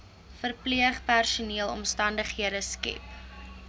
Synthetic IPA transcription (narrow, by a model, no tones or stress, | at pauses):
fərpliəχpærsuniəlˠɔ̰mstɐndəχɦiəɾəskɛ̰p